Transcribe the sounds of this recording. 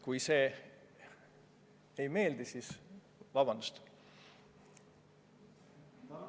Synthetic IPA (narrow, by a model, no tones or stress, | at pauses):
kujse̞ː | ejme̞ːld̪̥isis | vɑb̥ɑnd̪̥u̥st̪